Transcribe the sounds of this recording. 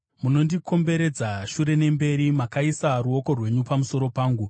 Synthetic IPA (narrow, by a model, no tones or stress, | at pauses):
muno̞ndikʰo̞mbe̞ɾe̞d͡zaʃuɾe̞ne̞mbe̞ɾimakaisaruo̞ko̞rwe̞ɲupamuso̞ɾo̞paːŋɡu